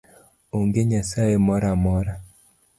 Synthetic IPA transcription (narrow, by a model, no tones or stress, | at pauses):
oŋɡeɲasajemɔɾamɔɾa